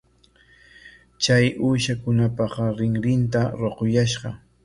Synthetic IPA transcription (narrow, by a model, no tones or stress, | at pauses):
t͡ʃajʔuːʃakʊnapɑqɑɾɪŋɾɪnt̪aɾoqojaʃɢɑ